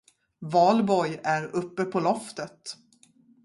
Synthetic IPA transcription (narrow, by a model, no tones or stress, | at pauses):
vɑːlbɔjæɾɵpːəpʰɔlɔft̪ət̪